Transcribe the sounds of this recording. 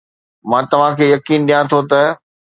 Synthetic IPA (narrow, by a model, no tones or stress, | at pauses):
mãːt̪ɐʋ̤ãkʰeːjɐkiːnɗijãt̪ʰot̪ɐ